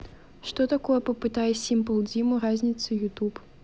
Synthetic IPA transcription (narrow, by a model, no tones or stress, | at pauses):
ʂt̪ɔt̪akɔjɛpɐpɨt̪ajɛsʲimpɐlˠd͡zʲimuɾazʲnʲit̪sɨjut̪up